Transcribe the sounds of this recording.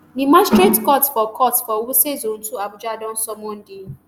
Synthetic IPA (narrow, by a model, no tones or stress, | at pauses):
nĩmastɾetkɔtfɔkʰɔtfɔwusezon̩tuabʊd͡ʒadɔn̩sɔmon̩di